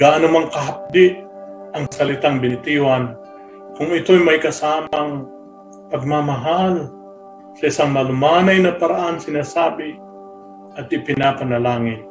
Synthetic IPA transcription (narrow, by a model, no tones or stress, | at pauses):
ɡ̥aʔanʊmaŋkɐɦap̚d̪ɪʔɐŋsɐlɪt̪aŋbɪnɪt̪iwan | kʊŋɪt̪ojmajkɐsaːmaŋ | pɐɡ̚mamaɦal | sɐɪsaŋmɐlʊmaːnajnɐpaɾaʔansɪnasaːbɪ | ʔɐt̪̚ɪpɪnaːpanɐlaːŋɪt̪̚